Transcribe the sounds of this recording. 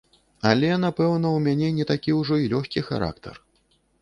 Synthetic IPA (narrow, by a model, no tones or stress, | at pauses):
ɐlʲɛnapɛwnɐwmʲanʲɛnʲɛt̪akʲiwʐɔilʲɔxʲkʲixa̰ɾa̰kt̪ʰɐ̰r